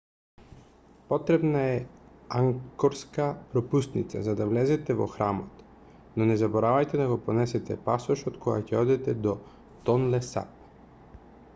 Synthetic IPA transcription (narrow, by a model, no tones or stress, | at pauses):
pɔt̪ɾɛbnaɛaŋkɔɾskapɾɔpust̪nit̪sa̰zad̪avlɛzɛt̪ɛvɔ̰xɾamɔt̪ | nɔnɛzabɔɾavajt̪ɛd̪aɡɔpɔnɛsɛt̪ɛpasɔʃɔt̪kɔɡa̰cɛɔd̪ɛt̪ɛd̪ɔ | t̪ɔnlɛsa̰p